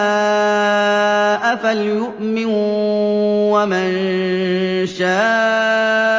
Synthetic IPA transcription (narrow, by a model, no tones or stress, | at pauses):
ʔafaljʊʔmɪn | waman | ʃaːʔ